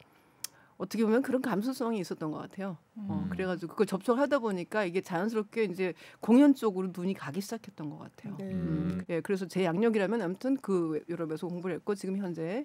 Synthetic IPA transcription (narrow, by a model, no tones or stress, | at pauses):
ʌtʰʌkʰeomjʌnkɯɾʌnkams̬ʰus͈ʌŋiːs͈ʌt͈ʌnɡʌk͈a̰tʰe̞joʌkɯɾe̞ɡad͡ʑiɡokɡkɯɡʌɭt͡ɕʌp̚t͡ɕ͈ʰʌɡɭɦadaboɲik͈aiɡe̞t͡ɕajʌnsʰɯɾʌp̚k͈e̞ind͡ʑe̞koŋjʌnt͡ɕ͈oɡɯɾonuɲikaɡiɕʰid͡ʑakʰe̞t̚t͈ʌnɡʌk͈a̰tʰe̞joje̞kɯɾe̞s̬ʰʌt͡ɕe̞jaŋɲʌɡiɾamjʌnamutʰɯnkɯjʌɾʌbe̞sʰʌkoŋbuɭɦek͈ot͡ɕiɡɯmçjʌnd͡ʑe̞